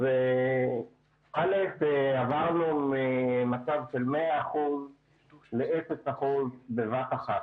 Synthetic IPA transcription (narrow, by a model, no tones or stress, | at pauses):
ve | χaletavaʁnumemat͡savʃe̞lmeaːχuz | leesesaχuzbevataχat